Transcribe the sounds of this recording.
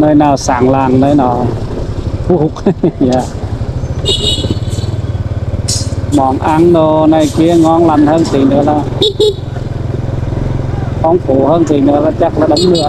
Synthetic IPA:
nɯː˧˩jnaː˧˩saː˨˦ŋlaː˧ŋnɤː˧˩jnɔː˧˩ | p̪ʰu˧˩k̚ja˧˩ | mɔː˨˦ŋʔa˧˩ŋnoː˧na˧˩jki˧˦˨ŋɔː˧˥˦ŋla˧˩nhʰɤː˧˨ŋsi˨˦nɯ˨˧˦ə˦laː˧˩ | kɔː˧˥˦ŋpʰuː˨˦hɤː˧˨ŋsi˨˦nɯ˨˧˦ə˦˧laː˧˩t͡ɕa˧˩k̚la˧ɗa˧˦mnɯ˧˩ə

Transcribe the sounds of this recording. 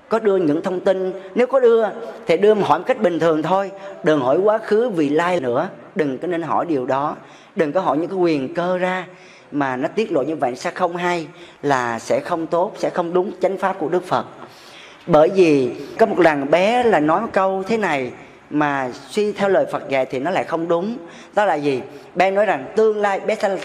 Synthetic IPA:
kɔ˨˦ɗɨ˧əɲɨ̰˧˥ŋt̪ʰə˧wŋ͡mt̪i˧nne˨˦wkɔ˨˦ɗɨ˧ət̪ʰi˨˩ɗɨ˧əm˨ɦɔ̰˧˩jmo˨˩ka˦˥k̚ɓï˨˩ŋ̟t̪ʰɨ˨˩əŋt̪ʰo˧jɗɨ˨˩ŋhɔ˧˩jkwaː˨˦xɨ˨˦vḭ˧˨laː˧jnɨ̰˧˥ə | ɗɨ˨˩ŋkɔ˨˦ne˧nɦɔ̰˧˩jɗi˨˩əwɗɔ˨˦ | ɗɨ˨˩ŋkɔ˨˦ɦɔ˧˩jɲɨ̰˧˥kːkwi˨˩ənkəː˧zaː˧ | maː˨˩nɔ˨˦t̪i˦˥ət̚lo̰˧˨jɲɨ˧va̰ː˧˨nsaː˧xə˧wŋ͡mɦa˧jlaː˨˩sɛ̰˧˥xə˧wŋ͡mt̪o˦˥t̚sɛ̰˧˥xə˧wŋ͡mɗʊ˨˦ŋ͡mt͡ɕa˨˦jŋ̟faː˦˥p̚ku˧˩əɗɨ˦˥k̚fə˨˩t̚ | ɓəː˧˩jvi˨˩kɔ˨˦mo˨˩t̚ɗaː˨˩ŋɓɛ˨˦laː˨˩nɔ˨˦jmə˨˩jkə˧wt̪ʰe˨˦na˨˩j | maː˨˩swi˧t̪ʰɛ˧wləː˨˩jfə˨˩t̚ɣa̰ː˨˩jt̪ʰi˨˩nɔ˨˦la̰ː˧˨jxə˧wŋ͡mɗʊ˨˦ŋ͡m | ɗɔ˨˦la̰ː˧˨˩zi˨˩ɓɛ˨˦nɔ˨˦jza˨˩ŋt̪ɨ˧əŋlaː˧jɓɛ˨˦sɛ̰˧˥˨

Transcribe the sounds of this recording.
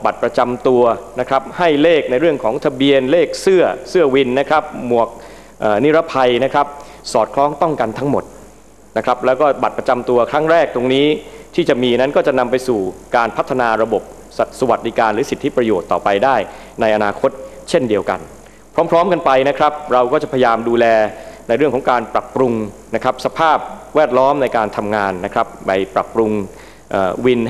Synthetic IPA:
ba˨˩t̪̚pɾa˧t͡ɕa˧mt̪u˧ɐna˦˥kʰɾa˦˥p̚ha˥˩jleː˥˩k̚na˧jɾɯ˥˩əŋkʰɔː˩˦ŋt̪ʰa˧bi˧ənleː˥˩k̚sɯ˥˩ɐsɯ˥˩əwi˧nːa˦˥kʰɾa˦˥p̚mu˨˩ək̚ | ʔaː˨˩ni˦˥ɾa˦˥pʰa˧jna˦˥kʰɾa˦˥p̚ | sɔː˨˩t̪̚kʰlɔː˦˥ŋt̪ɔ˥˩ŋka˧nt̪ʰa˦˥ŋmo˨˩t̪̚ | na˦˥kʰɾa˦˥p̚lɛː˦˥wkɔː˥˩ba˨˩t̪̚pɾa˧t͡ɕa˧mt̪u˧ɐkʰɾa˦˥ŋɾɛː˥˩k̚t̪o˧ŋniː˦˥t̪ʰiː˥˩t͡ɕa˨˩miː˧na˦˥nkɔː˥˩t͡ɕa˨˩na˧mpa˧jsuː˨˩kaː˧npʰa˦˥t̪ʰːa˧naː˧ɾa˧bo˨˩p̚ | sa˨˩sa˧wa˨˩t̪̚diː˧kaː˧nɾɯː˩˦si˨˩t̪ʰːi˦˥pɾa˧joː˨˩t̪ːɔː˨˩pa˧jdaː˥˩j | na˧jʔa˧naː˧kʰo˦˥t̪̚ | t͡ɕʰe˥˩ndi˧əwka̰˧n | pʰɾɔː˦˥mpʰɾɔː˦˥mka˧npa˧jna˦˥kʰɾa˦˥p̚ɾa˧wkɔː˥˩t͡ɕa˨˩pʰa˧jajaː˧mduː˧lɛː˧na˧jɾɯ˥˩əŋkʰɔ˩˦ŋkaː˧npɾa˨˩pːɾu˧ŋna˦˥kʰɾa˦˥p̚sa˧pʰaː˥˩p̚wɛː˥˩t̪̚lɔː˦˥mna˧jkaː˧nt̪ʰa˧mŋaː˧nːa˦˥kʰɾa˦˥p̚pa˧jpɾa̰˨˩pːɾu˧ŋ | ʔəː˨˩wi˧n

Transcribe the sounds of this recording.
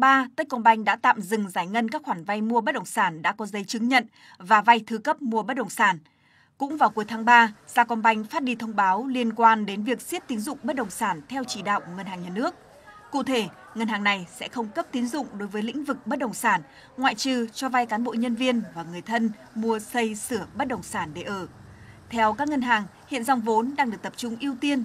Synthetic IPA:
aː˧t̪ə˦˥kɔ˧nɓa˧jŋ̟ɗa̰ː˧˥t̪a̰ː˧˨mzɨ˨˩ŋzaː˧˩jŋə˧nkaː˦˥kxwaː˧˩nva˧jmu˧əɓə˦˥t̚ɗə˨˩wŋ͡msaː˧˩nɗa̰ː˧˥kɔ˨˦zə˨˦jt͡ɕɨ˨˦ŋɲə̰˧˨n | vaː˨˩va˧jt̪ʰɨ˧kə˦˥p̚mu˧əɓə˦˥t̚ɗə˨˩wŋ͡msaː˧˩n | kʊ̰˧˥ŋ͡mvaː˨˩wku˨˦əjt̪ʰaː˨˦ŋɓaː˧z̥aː˧kɔ˧nɓa˧jŋ̟faː˦˥t̚ɗi˧t̪ʰə˧wŋ͡mɓaː˨˦wli˧ənkwaː˧nɗe˨˦nvi˨˩ək̚si˦˥t̚t̪i˨˦ŋzʊ̰˧˨ŋ͡mɓə˦˥t̚ɗə˨˩wŋ͡msaː˧˩nt̪ʰɛ˧wt͡ɕi˧˩ɗa̰ː˧˨wʔŋə˧˩nhaː˨˩ŋɲaː˨˩nɨ˦˥ək̚ː | ṵ˧˨t̪ʰe˧˩ | ŋə˧˩nhaː˨˩ŋna˨˩jsɛ̰˧˥xə˧wŋ͡mkə˦˥p̚t̪i˨˦ŋzʊ̰˧˨ŋ͡mɗo˨˦jvəː˨˦jlḭ̈˧˥ŋ̟vɨ˨˩k̚ɓə˦˥t̚ɗə˨˩wŋ͡msaː˧˩n | ŋwa̰ː˧˨jt͡ɕɨ˧˩t͡ɕɔ˧va˧jkaː˨˦nɓo̰˧˨ɲə˧nvi˧ənvaː˨˩ŋɨ˨˩əjt̪ʰə˧n | mu˧əsə˧jsɨ˧˩əɓə˦˥t̚ɗə˨˩wŋ͡msaː˧˩nɗe˧˩ʔəː˧˩ | t̪ʰɛ˧wkaː˦˥k̚ŋə˧nɦaː˨˩ŋhḭ˧˨ənza˧wŋ͡mvo˨˦nɗaː˧ŋɗɨ˨˩ək̚t̪ə˨p̚t͡ɕʊ˧ŋ͡mʔi˧əwt̪i˧ən

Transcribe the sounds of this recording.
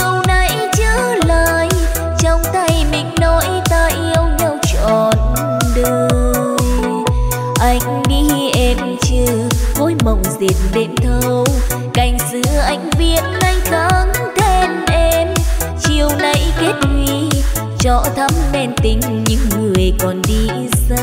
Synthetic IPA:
əwna˨˧˩j | t͡ɕəː˧˦ | laː˧˨j | t͡ɕɔ˧wŋ͡mt̪a˧jmï˧˩ŋ̟nɔ˨˦jt̪aː˧jʔi˧ə˧wɲa˧wt͡ɕɔ˧˨n | ɗə˧ | ʔa˧jŋ̟ɗi˧˥ʔɛ˧m | t͡ɕəː˧vo˧˦jmə˨˩wŋ͡mzi˨˩t̚nɗe˧nt̪ʰə˧w | ka˨˩jŋ̟sɨ̰˧˥ʔa˧˩jŋ̟vi˧˩ət̚na˧jt̪a˨˧˦ŋt̪ʰɛ˧nʔɛ˧m | t͡ɕi˨˩əwna˧˩jke˦˥t̚hwi˧˨ | t͡ɕɔ̰˧˨t̪ʰə˨˦mnɛ˧nt̪ï˨˦ŋ̟ɲɨ̰˧˥ŋŋɨ˨˩əjkɔ˨˩nɗi˧ | za˧

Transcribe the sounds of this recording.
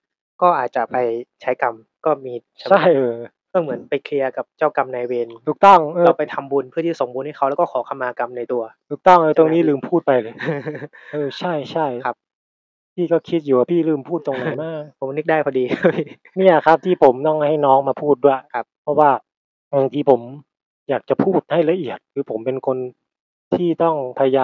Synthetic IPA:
kɔː˥˩ʔaː˨˩t̪̚t͡ɕa˨˩pa˧jt͡ɕʰa˦˥jka˧m | kɔː˥˩miː˧t͡ɕʰa˥˩aa˥˩jʔɤː˧ | ɔ˥˩mɯ˩˦ənpa˧jkʰli˧ɐka˨˩p̚t͡ɕaː˥˩wka˧mnaː˧jwe˧nʰuː˨˩k̚t̪ɔ˥˩ŋʔɤː˧ɔ˥˧˥pa˧jt̪ʰa˧mbu˧npʰɯ˥˩t̪iː˥˩a˨˩so˩˦ŋbu˧nha˥˩kʰa˦˥wlɛ˦˥kɔː˥˩ɔː˩˦kʰa˧mːaː˧ka˧mna˧jt̪u˧ɐt̪ʰuː˨˩k̚t̪ɔ˥˩ŋʔɤː˧o˧niː˦˥lɯː˧˨mpʰuː˥˩t̪̚pa˧jlɤː˧ | ʔɤː˧t͡ɕʰa˥˩jt͡ɕʰa˥˩jkʰa˦˥p̚ | pʰiː˥˩kɔː˥˩kʰi˦˥t̪̚juː˨˩waː˧˩pʰiː˥˩lɯː˥˩mpʰuː˥˩t̪̚ːo˧ŋna˨˦jmaː˥˩k̚pʰo˩˦mnɯ˦˥k̚daː˥˩jpʰɔ˧diː˧˥˩ | ni˥˩ɐkʰa˦˥p̚t̪ʰiː˥˩pʰo˩˦mt̪ɔ˥˩ŋha˥˩jnɔː˦˥ŋmaː˧pʰuː˥˩t̪̚du˥˩kʰa˦p̚pʰɔ˦˥waː˥˩ | ma˧ŋt̪ʰiː˧pʰo˩˦m | jaː˨˩k̚t͡ɕa˨˩pʰuː˥˩t̪̚ha˥˩jla˧ʔi˨˩ət̪̚kʰɯː˧pʰo˩˦mpe˧nkʰo˧n | t̪ʰiː˥˩t̪ɔ˥˩ŋpʰa˧ja˧jaː˧

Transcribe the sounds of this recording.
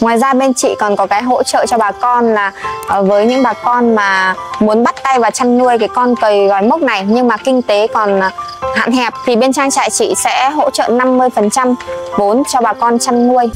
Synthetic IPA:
ŋwaː˨˩jzaː˧ɓe˧nt͡ɕḭ˧˨kɔ˨˩nkɔ˨˦kaː˨˦jɦo̰˧˥t͡ɕə̰ː˧˨t͡ɕɔ˧ɓaː˨˩kɔ˧nlaː˨˩˨vəː˨˦jɲɨ̰˧˥ŋɓaː˨˩kɔ˧nmaː˨˩mu˨˦ənɓa˦˥t̚t̪a˧jvaː˨˩t͡ɕa˧nnu˧əjkaː˨˦jkɔ˧nkəː˨˩jɣɔ˨˩jmə˦˥k͡p̚na˨˩jɲɨ˧ŋmaː˨˩kï˧ŋ̟t̪e˨˦kɔ˨˩n˨˩ha̰ː˧˨nɦɛ˨˩p̚t̪ʰi˨˩ɓe˧nt͡ɕaː˧ŋt͡ɕa̰ː˧˨jt͡ɕḭ˧˨sɛ̰˧˥ɦo̰˧˥t͡ɕə̰˧˨na˧mːɨ˧əjfə˨˩nt͡ɕa˧mvo˨˦nt͡ɕɔ˧ɓaː˨˩kɔ˧nt͡ɕa˧nːu˧əj

